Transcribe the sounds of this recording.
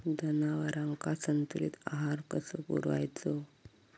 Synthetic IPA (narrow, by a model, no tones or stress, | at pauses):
d̪ənaʋəɾãŋkasənt̪uɾḭːt̪aɦaɾkəsəpṵɾʋa̰jt͡so